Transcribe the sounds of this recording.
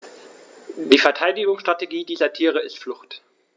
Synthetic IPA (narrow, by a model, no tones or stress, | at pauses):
d̥iːfɛɐtʰaɪdɪɡʊŋsʃtʁ̥ateɡiːdiːzɐtʰiːʁ̞əɪstflʊxt